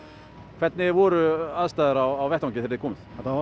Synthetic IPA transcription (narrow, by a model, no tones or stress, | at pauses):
kʰv̥ɛt̪nɪvɔɾʏaðst̪aːðaɾawawvɛht̪ãwŋcɪθʰɪɾðɪkʰɔːmɪðɛt̪a